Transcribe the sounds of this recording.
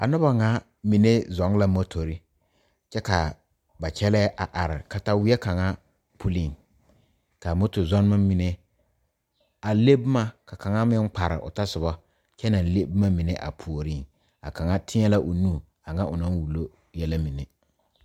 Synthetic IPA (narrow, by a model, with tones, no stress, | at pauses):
a̰˨nʊ˦ba˨ŋa˦ | mi˨ne˦zɔ˨˦ŋ˦la˦mo˦tʰo˨ɾi˦ | t͡ʃɛ˦ka˨ | ba˨t͡ʃɛ˦lɛ˦ʔa˨ʔa˨ɾɪ˨ka˨ta˦wɪ˦ɛ˦ka˨ŋa˦ | pʰu˦li˨ŋ | ka˨mo˦to˨zɔ˦n˦ma˦mi˨ne˦ | a˨le˦bma˦ka˨ka˨ŋa˦mɪ˦ŋ˦k͡pa˨ɾɪ̰˨ʔʊ̰˨ta˦sʊ˨bɔ˦ | t͡ʃɛ˦na˨n˨le˦bma˦mɪ˨ne˦ʔa̰˨pʰu˨o˨ɾi˦˨ŋ | a̰˨ka˨ŋa˦tʰɪ˦ɲɛ˦la˦ʔʊ˨nuː˦˨ | a˨ŋa˦ʔʊ˨na˦n˦wu˨lo˦ | jɛ˦la˦mi˨ne˦